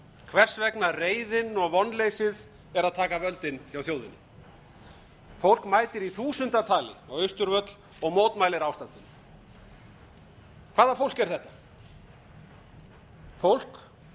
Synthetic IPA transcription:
kʰvɛr̥svɛknareːjðɪnɔɣvɔnːlejsɪð | ɛɾaðt̪ʰaːkavœlt̪ɪnːjawθjowðɪnːʏ | fowl̥kmaːjt̪ɪɾiθuːsʏnt̪at̪ʰaːlɪ̰awœɥst̪ʏɾvœt̪l̥ | ɔɣmoːwt̪majlɪɾawst̪ant̪ʏn | kʰvaːðafowl̥kɛɾ̥θɛht̪ḁ | fowl̥k

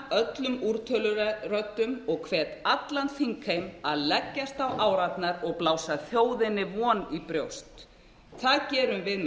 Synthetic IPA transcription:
œt̪lʏmuɾt̪ʰœːlʏrœt̪ːʏmɔɣkʰvɛːt̪at̪lant̪θiŋkʰejmaðlɛcːast̪awʔaːwɾat̪naɾɔɣplaːwsaθjoːwðɪnːɪvɔːnipɾjowst̪ | θaðcɛːɾʏmvɪð

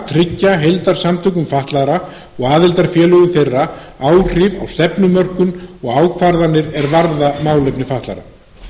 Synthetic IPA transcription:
t̪ʰɾɪcːaɦejlt̪aɾ̥samt̪ʰʏkʏmfaht̪laɾa | ɔɣaːðɪlt̪aɾ̥fjɛːlʏɣʏmθejrːa | aːwr̥ɪva̰wst̪ɛpnʏmœr̥kʏnɔɣaːwkʰfaɾðanːɪɾɛɾvaɾðamaːwlejpnɪfaht̪la̰ɾa̰

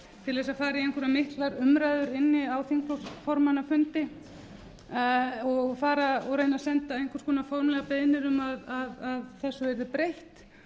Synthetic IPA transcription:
t̪ʰɪlɛs̬afaːɾiejŋkʰʏɾamɪht̪laɾʏmɾajðʏɾɪnːɪawθiŋkflɔfɔɾmanafʏnt̪ɪ | ɔɣfaːɾaɔɣɾejnasɛnt̪aejŋkʰʏɾ̥skʰɔːnafowɾmlɛɣapeðnɪɾʏmaðaðaðθɛsːʏvɛɾðɪpɾejht̪

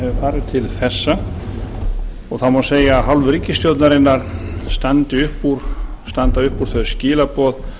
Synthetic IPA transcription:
ɛvʏfaːɾɪðt̪ʰɪlθɛsːa | ɔɣθawmaseːjaɦawlvʏɾicːɪst̪jowt̪naɾɪnːaɾ̥st̪ant̪ɪʏhpːuɾ̥ | st̪ant̪aʏhpuːɾ̥θœ̥scɪːlapɔːð

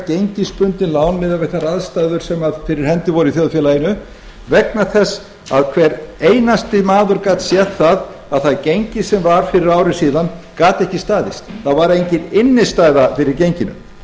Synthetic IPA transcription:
cejɲcɪspʏnt̪ɪnlaːwnmɪðavɛht̪aɾaðst̪ajðʏɾ̥sɛmaðfɪɾɪɾ̥hɛnt̪ɪvɔɾɪiθjoðfjɛlajɪnʏ | vɛknḁθɛs | aðkʰvɛɾejnast̪ɪmaːðʏɾkaːt̪sjɛt̪θað | aðθaðcejɲcɪsɛmvaɾ̥fɪɾɪɾaːwɾɪsiːðankaːt̪ɛhcɪst̪aːðɪst̪θaðvaɾejɲcɪnɪnːɪst̪aːjðafɪɾɪɾcejɲcɪnʏ̰m

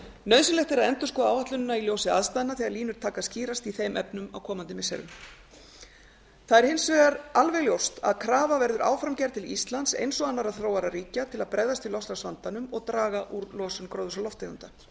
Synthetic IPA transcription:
nœːðsʏlɛht̪ɪɾaðɛnt̪ʏ̥skɔːaːwhaht̪lʏnʏnailjowsɪa̰ðst̪ajðɪnaθiːɣaɾliːnʏɾ̥t̪ʰaːkasciːɾast̪iθejmʔɛpnʏma̰wkʰɔːmant̪ɪmɪsɛ̰ɾʏ̰ | θaðɛɾ̥hɪnsvɛːɣaɾalvɛɣljowst̪a̰ðkʰɾaːvavɛɾðʏɾʔa̰ːwfɾamcɛɾt̪ʰɪlḭst̪lant̪sḛjnsɔɣanːaɾaðθɾoːwaɾaɾiːcat̪ʰɪlaðpɾɛjðast̪ɪlɔfst̪asvant̪anʏmɔɣt̪ɾaːɣaʔuɾlɔːsʏnkɾowðʏsalɔft̪eɣʏnt̪a

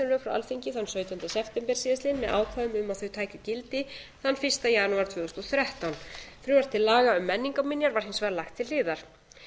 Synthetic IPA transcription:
ɪnɾʏfɾawa̰lfiɲcɪθanːsœːɥt̪ʏnt̪asɛpt̪ɛmpɛɾ̥siːðaslɪnmɛðʔa̰ːwkʰvavʏmʏmaðθœɥt̪ʰaːjcʏcɪlt̪ɪθanːfɪrst̪ajanuaɾ̥t̪ʰvœːðɔst̪ɔθɾɛht̪awnfɾʏvaɾ̥t̪ʰɪlːaːɣaʏmːɛnːiŋkamɪnjaɾvaɾ̥ɦɪnsvaɾlaxt̪ʰːɪllɪːðaɾ̥

